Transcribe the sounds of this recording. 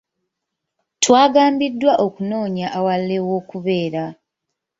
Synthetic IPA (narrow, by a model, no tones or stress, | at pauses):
twaːɡaːmbidːwaʔo̞kuno̞ːɲaʔawalːe̞wo̞ːkuβe̞ːɾa